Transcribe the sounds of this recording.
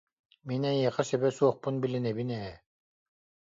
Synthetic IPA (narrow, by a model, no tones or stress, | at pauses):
minajiqasɛbɛsuɔχpunbilinɛbinɛɛ